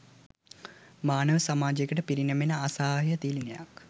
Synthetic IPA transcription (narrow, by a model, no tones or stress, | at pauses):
maːnəʋəsamaːd͡ʒekəʈəpiɾinəmenəasaːɦjət̪iːlineja̰k